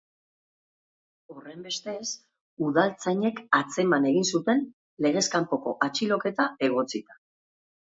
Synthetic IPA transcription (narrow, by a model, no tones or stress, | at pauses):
o̞re̞mbe̞st̪e̞s | uðalt͡saɲe̞kat͡se̞mane̞ɣinsut̪e̞n | le̞ɣ̞e̞skampo̞ko̞̰ʔat͡ʃilo̞ke̞t̪ae̞ɣ̞o̞t͡sit̪ḁ